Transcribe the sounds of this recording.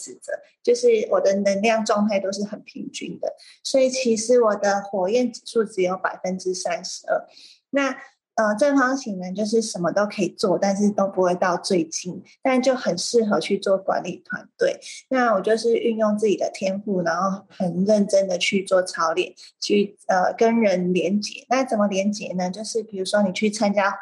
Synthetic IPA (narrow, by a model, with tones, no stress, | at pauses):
ɹ̩˨˩t͡sə̰˨˦ | t͡ɕjo˥˧ʊʂɻ̩˥˩wɔ˨˩d̪ə˦nə˧˥ŋljɑ˥˧ŋʈ͡ʂwɑ˥˧ŋt̪ʰa˥˩ɪt̪o˥ʊʂɻ̩˥˩xə˨˩npʰi˧˥ŋt͡ɕy̰˥nd̪ə̰˨ | swɔ˧˥i˨˩t͡ɕʰi˧˥ʂɻ̩˧˥wɔ˨˩d̪ə˦xwɔ˨˩jɛ˥˩nʈ͡ʂɻ̩˨˩ʂu˥˩ʈ͡ʂɻ̩˧˥jo˧˥ʊpa˨˩ɪfə˦nʈ͡ʂɻ̩˥sa˦˥nʂɻ̩˧˥ə˥˩ | na˥˩ | ə˧ʈ͡ʂə˥˩ŋfɑ˥ŋt͡ɕʰi˨˩ŋna˧˥nt͡ɕjo˥˧ʊʂ̬ɻ̩˥˩ʂə˧˥nmə˧t̪o˥ʊkʰɤ˧˥i˨˩t͡swɔ˥˨t̪a˥˧nʂ̬ɻ̩˥˩t̪o˥ʊpu˧˥xwe˥˧ɪt̪ɑ˥˧ʊt͡swe˥˩ɪt͡ɕi˥nt̪a˥˩˨t͡ɕjo˥˩ʊxə˨˩nʂɻ̩˥˩xɤ˧˥t͡ɕʰy˥˧t͡swɔ˥˩kwa̰˧˦˥nli˨˩t̪ʰwa̰˧˦nt̪we˥˩ɪna˥˩wɔ˨˩t͡ɕjo˥˧ʊʂɻ̩˥˧y˥˧njʊ˥˧ŋt͡sɹ̩˥˩t͡ɕi˨˩d̪ə˩t̪ʰjɛ˥nfu˥˩na˧˦ŋxo˥˩xə˨˩nɻə˥˩nʈ͡ʂə˥nd̪ə˨t͡ɕʰy˥˧t͡swɔ˥˩ʈ͡ʂʰɑ˧˥ʊljɛ̰˨˩nt͡ɕʰy˥˩ə˨˩kə˦˥nɻə˧˦˥nljɛ˧˥nt͡ɕjɛ̰˨˩˦na˥˩t͡sə˨˩mə˦ljɛ˧˥nt͡ɕjɛ˨˩nə˧t͡ɕjo˥˧ʊʂɻ̩˥˩pi˨˩ɻu˧˥ʂwɔ˥ni˨˩t͡ɕʰy˥˩t͡sʰa˥nt͡ɕja˥